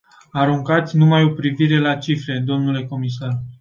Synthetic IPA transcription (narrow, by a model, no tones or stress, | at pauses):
aɾuŋkat̪sʲnumajo̞pɾiviɾe̞lat͡ʃifɾe̞d̪o̞mnule̞ko̞mis̬ar